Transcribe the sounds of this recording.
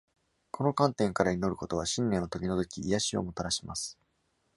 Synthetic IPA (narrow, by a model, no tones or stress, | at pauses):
kʰo̞no̞kãnt̪ẽ̞ŋkaɾaino̞ɾɯ̟ko̞t̪o̞βaɕĩnːẽ̞nːot̪okʲino̞t̪o̞kʲiːjaɕio̞̰mo̞t̪aɾaɕima̰sɨ̥